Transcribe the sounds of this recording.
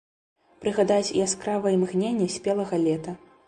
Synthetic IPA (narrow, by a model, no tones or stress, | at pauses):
pɾɨɣad̪at͡sʲḭaskɾavɐjimɣnʲenʲːɛsʲpʲɛlˠɐɣɐlʲɛt̪ɐ